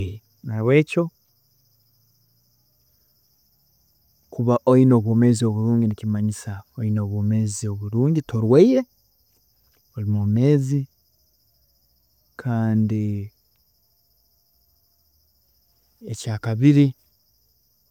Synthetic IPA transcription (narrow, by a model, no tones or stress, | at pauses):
naβwe̞ːco̞ | kuβaʔoino̞ːβwo̞me̞ːzio̞βuɾuːɲɟinicimaɲisaoino̞ːβwoːme̞ːzio̞βuɾuːɲɟito̞ɾweiɾe̞ | olimome̞ːzi | kʰaːndi | ecaːkaβiɾi